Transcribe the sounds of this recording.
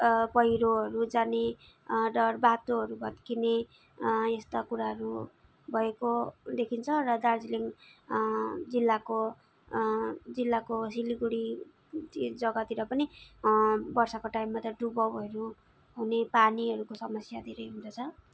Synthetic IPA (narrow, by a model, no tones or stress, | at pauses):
pʌjɾoɦʌɾud͡zane | ɖʌrbat̪oɦʌɾubʱʌd̪kine | est̪akuɾaɦʌɾu | bʱʌekod̪ekʰint͡sʰʌrʌd̪ard͡ziliŋ | d͡zilːako | d͡zilːakosiliɡuɽi | id͡zʌɡʌt̪iɾʌpʌni | bʌrsʌkoʈaimːat̪ʌɖubʌwɦʌɾu | ɦunepaniɦʌɾukosʌmʌsjad̪ʱeɾʌjɦund̪ʌt͡sʰʌ